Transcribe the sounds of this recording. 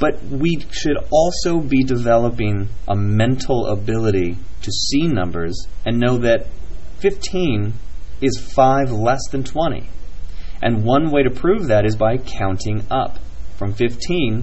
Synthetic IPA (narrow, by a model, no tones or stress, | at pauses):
b̥ʌt̚wi | ʃɨɾɔlˠsoʊbidɨvɛlˠəpɪ̃ŋʔəmɛ̃ntʰˡl̩ˠə̰bɪlˠəɾi | ɾɨsĩnʌ̰̃mbə̰˞zɨ̃nːoʊðɨt̚fɪftʰĩnɪz̥faɪvlɛsðɨ̃ntʰw̥ɛ̃ɾ̃ḭ | ʔɨ̃nwʌ̃nweɪɾɨpʰɹ̥ʉvðɨɾɨzbaɪkʰãʊ̃ntʰɪ̃ŋʌ̰p | fɹʌ̃ɱfɪftʰĩn